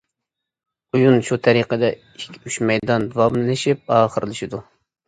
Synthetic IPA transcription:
ujunʃut̪ʰɛɾiqəd̪ɛ | ikʲʰyʃmɛjd̪ɑnd̪wɑmlˠɨʃip̚ɑːχəɾlˠɨʃid̪u

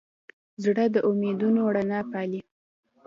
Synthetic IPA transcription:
zɽəd̪əʔʊmed̪unowɽanɑpɑli

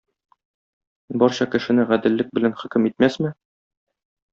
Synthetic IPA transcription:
bɒɾɕɑkɘ̆ʃɘ̆nɘʁæd̪ɘ̆lːɘk̚bɘ̆lænχɵ̆kɘmit̪̚mæsmɘ

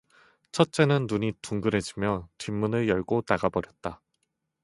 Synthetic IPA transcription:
t͡ɕʰʌt̚t͡ɕ͈e̞nɯnːuɲituŋɡɯɾɦe̞d͡ʑimjʌtimːunɯɭjʌɭɡotaɡabʌɾjʌt̚t͈a

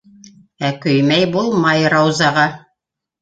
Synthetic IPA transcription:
ækɵjmæjbulˠmɑjɾɑwzɑʁɑ

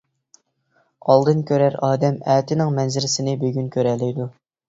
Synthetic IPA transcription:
ɑlˠd̪ɨnkʲʰøɾæɾɑːd̪ɛmɛːt̪ʰɪnɪŋmɛnzɪlɪsɪnɪbøɡʲynkʲʰøɾɛlːɪjd̪u

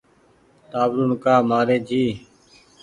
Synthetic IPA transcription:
t̪aːʋɾuːnkaːmaːɾeːd͡ʒʱiː

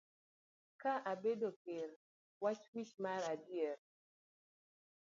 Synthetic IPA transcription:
kaʔabedokeɾ | wat͡ʃwit͡ʃmaɾadjɛr

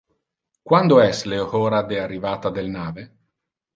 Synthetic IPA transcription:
kwand̪oɛsleohɔːɾad̪earːivaːt̪ad̪elnaːve

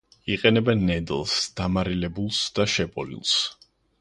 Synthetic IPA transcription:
iqʼɛnɛbɛnːɛd̪lˠsd̪̥amaɾilɛbulˠsd̪̥aʃɛpʼɔlḭlˠs

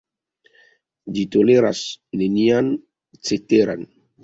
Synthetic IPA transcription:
d͡ʒitoleɾa̰snenian | t͡seteɾa̰n

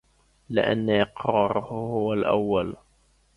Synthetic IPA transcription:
lɪ̰ʔa̰nːaʔɪqɾˤɑːɾˤʊhhʊwalʔa̰wːal

